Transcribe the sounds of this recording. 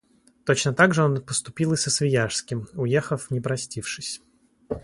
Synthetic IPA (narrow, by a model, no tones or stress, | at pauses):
t̪o̞t͡ɕnət̪aɡʐɨo̞npəst̪ʊpʲilˠɨsəsvʲɪjaʂskʲɪmʊjexəfnʲɪpɾɐsʲtʲifʂɨsʲ